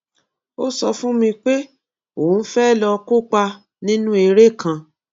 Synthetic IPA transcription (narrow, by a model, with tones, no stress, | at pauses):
o˦sɔ˧fũ˦mĩ˧k͡pe˦ | o˨˦fɛ˦˨lɔ˧ko˦k͡pa˧ | nĩ˦nũ˦e˧ɾe˦˨kã˧